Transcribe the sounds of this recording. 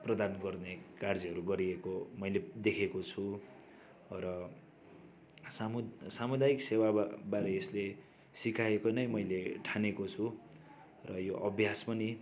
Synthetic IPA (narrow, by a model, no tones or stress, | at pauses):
prʌd̪anɡʌrnekard͡ziʌɾuɡʌɾiekomʌjled̪ekʰekot͡sʰu | rʌ | samsamud̪ajiksewabaɾeːsle | sikaekonʌjmʌjleʈʰanekot͡sʰu | rʌjoʔʌbʱjaspʌni